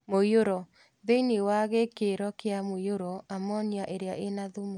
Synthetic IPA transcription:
mojoɾɔ | ðeinewaɣekeɾɔkeamoioɾɔamɔniaʔeɾeaʔenaðumu

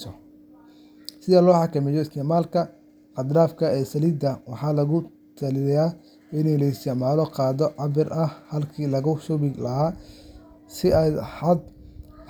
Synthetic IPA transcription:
sɔ | sɪðɐlɔːħɑkɐmɛjɔɪst̪ɛmaːlkʰɐ | ʔɑd̪raːfkʰɐɛːsɐliːd̪ɐwɑħɑːlɐɣʊ | t̪ʰɐlɪjaː | ɪnɛjlɐɪst̪ɛmaːlɔqɑːðɔʕɑβɪrʔɐhhɐlkʰiːlɐɣʊʃʊβɪlɐɦaː | sɪɛjħɐd̪̚

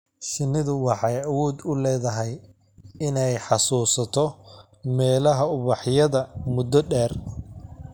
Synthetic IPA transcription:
ʃɪnːɪðʊwɑħɑjɐwɔːd̪ʊlɛːðɐɦɛj | ɪnɛjħɑsuːsɐt̪ʰɔ | mɛːlɐɦɐʊβɑħjɐðɐmʊd̪ɔɖɛːr

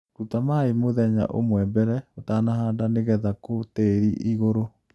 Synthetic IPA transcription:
ɾutamaemoðɛɲa̰ʔo̰mwɛbɛɾɛotaːnaɦaːndaneɣɛðakoteɾiʔiɣoɾo

